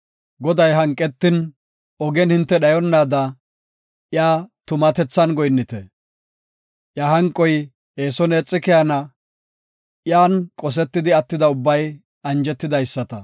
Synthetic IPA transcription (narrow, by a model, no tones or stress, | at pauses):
ɡɔd̪ɐjɦɐŋkʼːɛt̪ːɪn | ɔɡɛnhɪnt̪ːɛɗɐjɔnːaːd̪ɐ | jaːt̪ʊmɐt̪ɛt͡sːɐnɡɔjnːɪt̪ɛ | ʔjaːhɐŋkʼːɔj | eːsɔneːt͡sʼːɪkɛjɐnɐ | jaːnkʼɔs̬ɛt̪ːɪd̪ɪɐt̪ːɪd̪ɐʊbːɐj | ɐnd͡ʒɛt̪ːɪd̪ɐjsːɐt̪ɐ̰